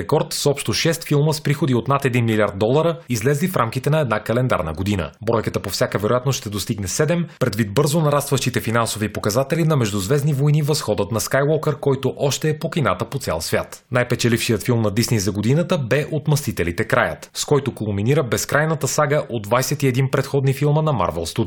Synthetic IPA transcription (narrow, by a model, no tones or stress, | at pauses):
ɛkɔɾt̪sɔpʃt̪oʃɛst̪filˠməspɾixod̪iot̪nat̪ɛd̪inmilʲiaɾd̪̚d̪ɔlˠəɾəizlɛzlifɾamkit̪ɛnɐɛd̪nakɐlɛnd̪a̰ɾnə̰ɡod̪inə̰bɾɔjkət̪əpofsʲjakəvɛɾojat̪nosʃt̪ɛd̪ost̪iɡnɛsɛd̪ɛmpɾɛd̪vit̪̚bɤɾzonɐɾast̪vəʃt̪it̪ɛfinansovipokɐzat̪ɛlinɐmɛʒd̪ʊzvɛznivojnivɐsxɔd̪ət̪nɐskajwɔkɛɾkɔjt̪oʔɔʃt̪ɛːpokʲinat̪əpot̪sʲɛ̰lˠsvʲja̰t̪najpɛt͡ʃɛlifʃijət̪filˠmnɐd̪isnɛjzɐɡod̪inət̪əbɛʔot̪mɐst̪it̪ɛlit̪ɛkɾajə̰t̪skɔjt̪okolˠminiɾəbɛskɾajnət̪əsaɡəʔod̪d̪vajsɛt̪iɛd̪inpɾɛt̪xɔd̪nifilˠmənɐma̰ɾvɛ̰lˠst̪ut̪